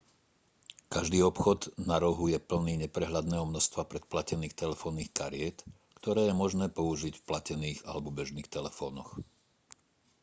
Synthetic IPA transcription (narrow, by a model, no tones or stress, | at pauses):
kaʒd̪iːɔpxɔd̪naɾɔɦujɛpl̩niːɲɛpɾɛɦlad̪nɛːɦɔmnɔst̪ʋapɾɛt̪̚placɛniːxt̪ɛlɛfɔːnːiːxkaɾɪɛt̪ | kt̪ɔɾɛːjɛmɔʒnɛːpɔuʒicfplacɛniːɣa̰lɛbɔbɛʒniːxt̪ɛlɛfɔ̰ːnɔx